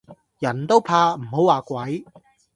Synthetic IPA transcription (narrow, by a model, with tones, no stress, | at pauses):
jɐ˨˩nt̪o˥wpʰaː˧m̩˨˩ho˨˥waː˨kʷwɐ˨˥j